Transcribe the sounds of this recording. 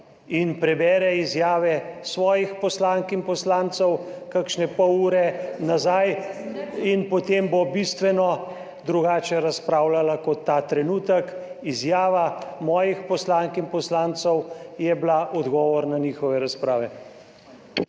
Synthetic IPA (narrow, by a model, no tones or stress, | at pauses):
inpɾɛbɛːɾɛizjaːʋɛsʋɔːjixpɔslaːŋkinpɔslaːnt̪sɔwkakʃnɛpɔwuːɾɛnazaj | inpɔt̪embobist̪ʋɛnɔ | d̪ɾuɡaːt͡ʃɛɾaspɾaːwlalakɔt̪ːaːt̪ɾɛnuːt̪əkizjaːʋamɔːjixpɔslaːŋkinpɔslaːnt̪sɔwjɛblaʔɔd̪ɡɔːʋɔɾnaniːxɔʋɛɾaspɾaːʋɛ